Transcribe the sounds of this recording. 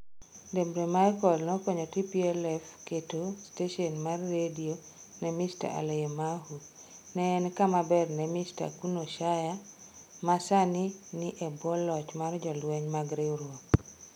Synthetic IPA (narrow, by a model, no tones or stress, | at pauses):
debɾemajkɔlnɔkɔɲɔtipiɛlɛfketosteʃɔnmarːedio | nɛmista̰ʔa̰leemaɦu | nɛːnkamabɛrnɛmista̰kunoʃaja | masaninɪʔebɔlɔt͡ʃmard͡ʒɔlwɛɲmaɡɾeɾwɔ